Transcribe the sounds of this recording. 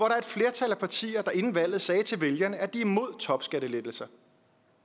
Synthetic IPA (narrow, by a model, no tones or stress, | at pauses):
ʋɒɾɑ̈ɐe̝d̥fle̝ɐt͡sʰælæpʰɑ̈t͡sʰḭːɐd̥ɑ̈e̝nn̩ʋæl̰ð̩ˠsɛːt͡sʰe̝lʋe̝ljɐnəæd̥iimo̝ð̞̰ˠt͡sʰɒ̽b̥sɡ̥æɾ̥əled̥l̩sɐ